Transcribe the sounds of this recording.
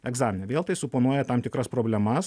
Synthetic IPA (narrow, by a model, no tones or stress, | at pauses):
ɛɡzɑːmʲɪnʲɛʋʲeːlˠt̪ɐɪsʊpoːnuɔjɛt̪ɑmt̪ʲɪkɾɐspɾoːbʲlʲɛmɐs